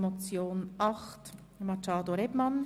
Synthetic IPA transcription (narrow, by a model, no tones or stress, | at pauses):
mot͡sjoːnʔɑχt | mɑt͡ʃɑːd̪oɾɛbmɑn